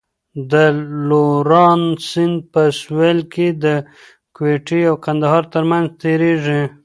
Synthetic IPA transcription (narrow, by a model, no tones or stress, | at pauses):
d̪əloɾɑnsɪnd̪̚pəswelked̪ə | kweʈiawkand̪aɦɑɾt̪əɾmanzt̪eɾeʐi